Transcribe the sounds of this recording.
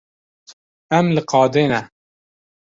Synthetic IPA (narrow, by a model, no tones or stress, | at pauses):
ɛmlɨqɑːd̪eːnɛ